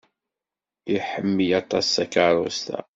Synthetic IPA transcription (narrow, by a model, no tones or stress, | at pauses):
iħəmːijɑt̪ˤɑsːækəɾˤo̰st̪æ̰